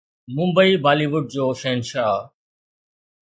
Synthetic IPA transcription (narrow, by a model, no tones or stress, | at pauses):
mʊ̃mbəiːbaːliːʋʊɖ̚d͡ʑoːʃeːnʃaː